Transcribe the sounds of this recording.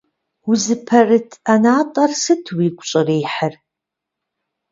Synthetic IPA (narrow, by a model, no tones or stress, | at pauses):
ʊzɨpʰɐrɨtʰanaːtʼɐrsɨtʰwiːkʷʼɕʼɪreːħər